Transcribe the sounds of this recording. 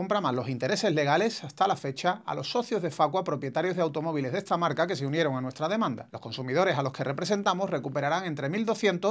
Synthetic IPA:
ompɾamazlo̞sint̪e̞ɾe̞se̞zle̞ɣ̞ale̞sast̪alafe̞t͡ʃaa̰lo̞sːo̞θjo̞zðe̞fakwapɾo̞pje̞t̪aɾjo̞zðeawt̪o̞mo̞β̞ile̞zðe̞st̪amaɾkake̞s̬e̞unje̞ɾo̞ŋanwest̪ɾaðe̞mãnd̪a̰lo̞hko̞nsumið̞o̞ɾe̞salo̞ske̞rʔe̞pɾe̞s̬e̞nt̪amosre̞kupe̞ɾaɾaŋe̞nt̪ɾe̞mild̪o̞θje̞nt̪o̞

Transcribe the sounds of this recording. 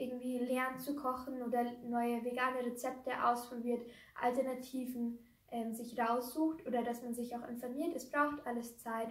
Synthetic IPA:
ʔɪɐɡŋ̩tv̥iːlɛɐnt͡sukʰɔxn̩ʔoːdɐnɔʏəveɡaːnəʁet͡sɛp̚təʔa̰ʊspʁ̥obiːɐt | ʔa̰ltɛɐnatʰiːvn̩ | ʔɛːmzɪçʁaʊsz̥uːxtʔoːdɐdasmanzɪçaʊxɪ̰nfɔɐmiːɐtɛsb̥ʁaʊxtʔaləst͡saɪt

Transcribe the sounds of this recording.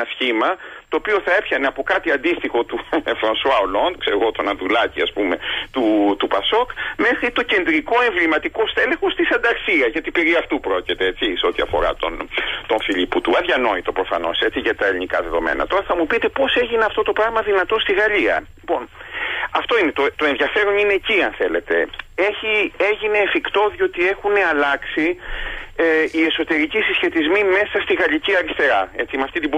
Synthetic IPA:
nɐsçimɐt̪oːpio̞θɐe̞pçɐneɐpo̞kɐt̪iɐnd̪ist̪ixo̞t̪ufɾɐnswɐolond̪kseɾeɣot̪onɐðulɐciɐspume̞t̪ut̪upɐsokme̞xɾit̪o̞ce̞nd̪ɾiko̞e̞ɱvlimɐt̪iko̞sθe̞lẽxo̞st̪isɐnd̪ɐksiɐʝɐt̪ipe̞ɾiɐft̪upɾo̞cit̪eet͡siseo̞t̪iɐ̰fo̞̰ɾɐ̰t̪o̞̰nt̪o̞nfiʎiput̪uɐðʝɐno̞it̪o̞pɾo̞fɐ̰no̞̰se̞t͡siʝɐt̪ɐelinikɐðe̞ðo̞mḛnɐ̰t̪o̞ɾɐθɐmupit̪e̞po̞se̞ʝineɐft̪o̞t̪o̞pɾɐɣmɐðinɐt̪o̞st̪iɣɐʎiɐ̰lipo̞nɐft̪o̞ine̞t̪ot̪o̞enðʝɐfe̞ɾo̞nine̞ːciɐnθe̞le̞t̪e̞̰e̞çie̞ʝine̞ːfikt̪o̞ðio̞t̪ie̞xuneɐlɐksi | ie̞so̞t̪e̞ɾicisisçe̞t̪izmime̞sɐst̪iɣɐʎiciɐɾist̪e̞ɾɐe̞t͡simɐft̪it̪ib

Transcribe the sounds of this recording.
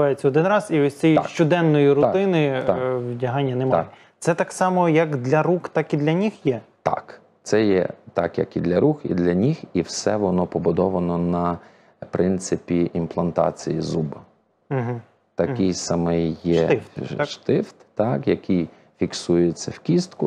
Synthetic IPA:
ɑjet͡sʲːɐɔd̪ɪnɾɑziɔsʲt͡sʲijʃt͡ʃɔd̪ɛnːɔjiɾʊt̪ɪnɪʋdʲɐɦɑnʲːɐnemɑjɛ | t̪sɛt̪ɑksɑmɔjɐkd̪lʲɐɾuxt̪ɑkid̪lʲɐnʲixjɛt̪ɑ̰k | t̪sɛjɛ̰t̪ɑkjɐ̰kid̪lʲɐɾuxḭd̪lʲɐnʲixiwsɛʋɔnɔpɔbʊd̪ɔʋɐnɔnɐ | pɾɪnt̪sɪpʲiʔimplˠɐnt̪ɑ̰t͡sʲijizubɐ | m̩ɦ̩ | t̪ɐkɪjsɐmɪjjɛʃt̪ɪft̪ːɑkjɐkɪj | fʲiksujet͡sʲːɐwkʲist̪kʊ

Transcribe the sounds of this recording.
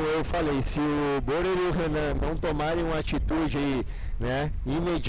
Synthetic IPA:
ewfalejsɪʊboɾeɾiʊɦenɐ̃nɐ̃w̃t̪omaɾẽj̃ũmɐat͡ʃit̪ud͡ʒɪai | nɛ | ĩmed͡ʒ

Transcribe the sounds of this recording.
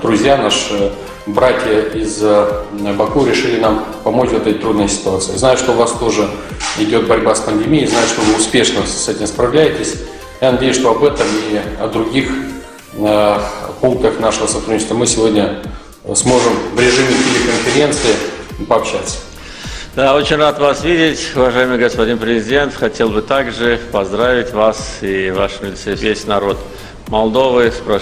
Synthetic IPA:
d̪ɾʊzʲjanaʂɨ | bɾatʲjəɪz | bɐkuɾʲɪʂɨlʲɪnampɐmo̞t͡ɕvɛt̪ɛt̪t̪ɾud̪nəjəsʲɪ̥t̪ʊat̪sɨ̰jznajʊʂt̪o̞vast̪o̞ʐɨ | ɪdʲo̞t̪̚bɐɾʲbaspənd̪ʲɪmʲijːznajʊʂt̪o̞vɨʊspʲe̞ʂnəsɛtʲɪmspɾɐvlʲæjɪtʲɪsʲ | janɐdʲejʊsʂt̪o̞ɐbɛt̪əmiɐd̪ɾʊɡʲix | puŋk̚t̪əxnaʂəvəsɐt̪ɾudnʲɪt͡ɕɪst̪vəmɨsʲɪvo̞dʲnʲə | smo̞ʐɨmvɾʲɪʐɨmʲɪtʲɪlʲɪkənfʲɪɾʲent̪sɨɪ | pəɐpɕat̪sə̥ | d̪ao̞t͡ɕɪnʲrat̪vasvʲidʲɪtʲʊvɐʐajɪmɨjɡəspɐdʲinpɾʲɪzʲɪdʲe̞nt̪xɐtʲe̞lˠbɨt̪aɡʐɨpɐzd̪ɾavʲɪtʲvasivaʂvʲɪlʲsɨpʲesʲnɐɾo̞t̪ | mɐlˠd̪o̞vɨspɾa

